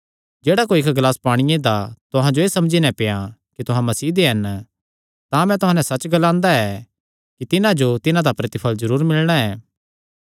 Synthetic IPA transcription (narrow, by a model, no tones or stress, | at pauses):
d͡ʒeːɽakoːiɪkɡlaːspaːɽ̃ɪjẽd̪at̪ʊɦãd͡ʒoeːsɐmd͡ʒinɛ̃pejãkit̪ʊɦãmɐsiːd̪eɦɐn | t̪ãːmɛ̃t̪ʊɦãːnɛsɐt͡ʃɡɐlãːnd̪aɛ | kit̪ɪnãd͡ʒot̪ɪnãd̪apɾɐt̪ɪpʰəlzɐɾuːɾmɪlɽ̃aɛː